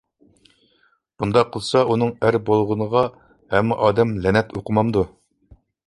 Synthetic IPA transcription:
bund̪ɑqʰːəlˠsɑunəɴæɾbolˠʁənəʁɑ | hɛmːɪʔɑːd̪ɛmlɛnɛt̪ʰuqəmɑmd̪u

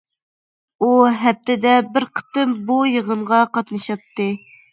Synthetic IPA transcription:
uɦɛp̚t̪ʰɪd̪ɛbɪɾqʰə̥t̪ɨmbujəʁəɴʁɑqɑt̪nɨʃɑp̚t̪ːɨ

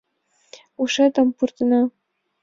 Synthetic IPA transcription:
uʂɤt̪ɤ̆mpurt̪ɤ̆nɑ

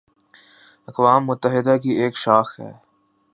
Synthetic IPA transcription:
ɐqʋaːmːʊt̪ːəɦɪd̪akieːkʃaːxɦɛ̰ː

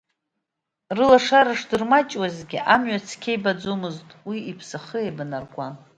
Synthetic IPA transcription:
rɨlaʂaɾaʂdɨrmat͡ʃʼwazɡʲiʔamɥat͡sʰkʲʰejbad͡zomɨztʼwiipʰsɨχɨejbɨnarɡʷʼan

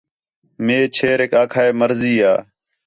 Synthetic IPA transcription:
meːt͡ʃʰeːɾeːkaːkʰaːeːməɾziːaː

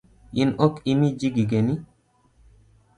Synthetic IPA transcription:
inokimid͡ʒiɡiɡeni

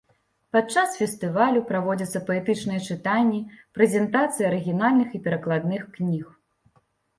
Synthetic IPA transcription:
pat̪̚t͡ʂːasfʲɛst̪ɨvalʲupɾavɔd͡zʲɐt̪sːɐpɐɛt̪ɨt͡ʂnɨjɛt͡ʂɨt̪anʲːipɾɛzʲɛnt̪at̪sɨjɐɐɾɨɣʲinalʲnɨxipʲɛɾɐklˠad̪nɨxknʲix

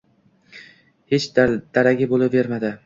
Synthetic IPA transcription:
het͡ʃd̪d̪̥aɾaɡʲabolɪpve̞ɾmad̪ɪ

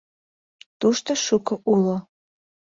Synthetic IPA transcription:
t̪uʃt̪əʃukɤ̆ʔulo

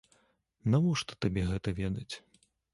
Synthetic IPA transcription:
navɔʂt̪ɔ̥t̪abʲɛɣɛt̪ɐvʲɛd̪ɐt͡sʲ

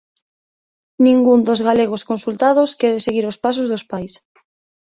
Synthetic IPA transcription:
nĩŋɡund̪ozɣaleɣ̞oskonsult̪að̞oskɛɾeseɣiɾospas̬ozðospajs

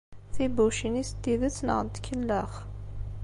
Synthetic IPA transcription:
θibuʃinist̪ːiðət͡sːnə̰ʁənt̪kʰːəlːəʁ

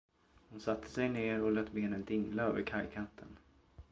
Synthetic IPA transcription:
hʊnsat̪ʰːə̥sɛjneːɾɔlœːt̪beːnənd̪ɪŋlaøːvəɾkʰajkʰant̪ʰːən

